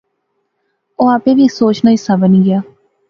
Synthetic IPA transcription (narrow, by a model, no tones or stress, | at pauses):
oːaːpẽːʋiːsoːt͡ʃnaːisabəniːɡɪjaː